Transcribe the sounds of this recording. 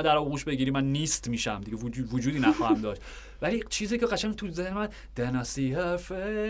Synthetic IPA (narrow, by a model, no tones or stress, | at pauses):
d̪æɾɒɣuːʃbe̞ɡiːɾiːmænːiːst̪miːʃæmd̪iɡʲeuvod͡ʒuːd̪iːnæxɒːhæmd̪ɒːʃt̪ | væliːt͡ʃʰiːziːkeɣæʃæŋt̪ʰuzehmæd̪ | d̪enɒsihæfe